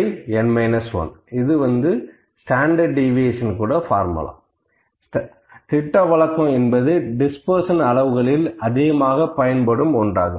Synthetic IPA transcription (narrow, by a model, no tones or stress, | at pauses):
ɪɛnmɐɪnɐsʋɐ̰nɪðɯʋɐnd̪ɯ | sʈaːɳɖɐɾɖɪʋeʂɐnkuːɽɐfaːɾmɐ̰la̰ː | s | t̪ɪʈːɐʋɐɭɐkːɐ̃mɛnbɐðɯɖɪspɐɾsɐnɐɭɐʋɯɣɐɭɪlɐðɪɣɐmaːɣɐpɐjɐnpɐɽɯmɔndra̰ːɣɯm